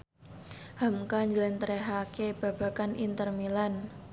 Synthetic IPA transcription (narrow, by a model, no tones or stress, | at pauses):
hamkaɲd͡ʒələnt̪əɾɛɦakeb̥a̤b̥a̤kanḭnt̪ərmilan